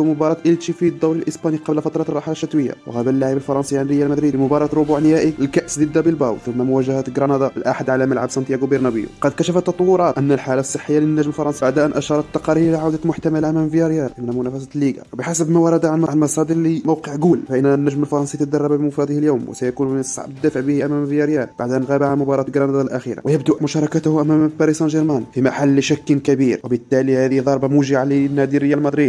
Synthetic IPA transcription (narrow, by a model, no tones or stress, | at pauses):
mʊbɑɾˤɑt̪ʔəlt̪ifid̪ˤːæwləlʔəsbɑniqɑblfɑt̪ɾˤɑt̪ˤrˤːɑħalæʃːæt̪wəjːa̰wɣæblːaʕibəlfɑɾˤɑnsiʕnɾəjælmæd̪ɾid̪imʊbɑɾˤɑt̪ɾʊbuʕnəhæʔiəlkæʔsd̪əd̪ːabəlbæwt̪əmːæmʊwæʒæhæt̪ɡɾɑnɑd̪ˤɑəlʔaħad̪ʕalæmælʕabsˤɑnt̪ˤjæɡubiɾnæbə̰jṵqɑd̪kæʃæfæt̪ːɑt̪ˤɑwːʊɾˤɑt̪ʔənːælħalasˤːəħːəjːalinːæʒmlfɑɾˤɑnsibaʕd̪ʔənʔæʃɑɾˤɑt̪t̪ːɑqɑɾiɾʔɾilaʕawd̪əlmʊħt̪æmælamæmvjɑɾjæɾʔəmnæmʊnæfæs̬æt̪lːiɡa̰bəħasəbmæwɑɾˤɑd̪aʕanmʕanmɑsˤɑd̪iɾlimowqəʕɡulfæʔənːnːæʒməlfɑɾˤɑnsˤit̪əd̪ɑrˤːɑbabimɑfɑd̪ˤihiljuwmw̰sæjækunənsˤːɑ̰ʕbəd̪ːæfəʕbəhiʔæmæmjɑɾjæɾb̥aʕd̪ʔənɣæbaʕamʊbɑɾˤɑt̪ɡɾɑnɑd̪ˤɑlʔæxḭɾa̰wʔjəbd̪ʊʔmʊʃɑɾˤɑkæt̪hʔæmæmbæɾisɑnʒəɾmænfimaħalːʃækːənkæbiɾwəbət̪ːælihæd̪ihd̪ˤɑɾˤbɑmuʒiʕalinːæd̪iɾəjːælmɑd̪ˤɾid̪